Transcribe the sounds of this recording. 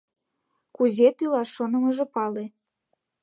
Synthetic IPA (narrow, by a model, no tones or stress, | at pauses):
kuzet̪ylɑʃonə̆məʒĕpɑle